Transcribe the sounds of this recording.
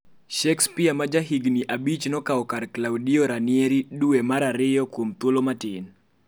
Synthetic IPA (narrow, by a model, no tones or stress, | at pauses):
ʃɛkspiamad͡ʒaɦiɡniʔabit͡ʃnɔkaɔkarklawdiɔɾanɪeɾiduemaɾaɾɪjɔkwomt̪wolomatɪn